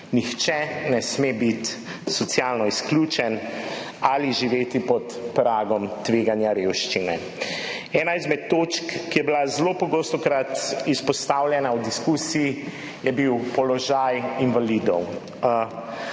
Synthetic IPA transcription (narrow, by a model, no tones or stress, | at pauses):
nixt͡ʃɛnɛsmebit̪sɔt̪sjalnɔisklʲut͡ʃɛn | aliʒiʋeːt̪ipɔt̪pɾaːɡɔmt̪ʋeːɡanjaɾeːwʃt͡ʃinɛ | ɛːnaizmɛt̪ːoːt͡ʃkkːijɛbilazlopɔɡoːst̪ɔkɾat̪ispɔst̪awljɛnawd̪iskuːsiji | jɛbiwpɔlɔʒajinʋalid̪ɔw